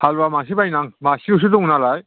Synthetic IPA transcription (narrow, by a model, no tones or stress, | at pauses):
halbamas̬ibajnaŋmasius̬udɔŋnalaj